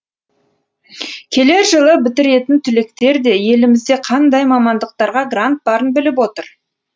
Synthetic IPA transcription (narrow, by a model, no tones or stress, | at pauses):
kʲʰe̞le̞ɾʒəlˠəbɪt̪ɪɾe̞t̪ɪnt̪ʰʏle̞k̚t̪e̞ɾd̪e̞je̞lɪmɪzd̪e̞qʰɑnd̪ɑjmɑmɑnd̪əq̚t̪ɑɾʁɑɡrant̪̚bɑɾənbɪlɪp̬wo̞t̪əɾ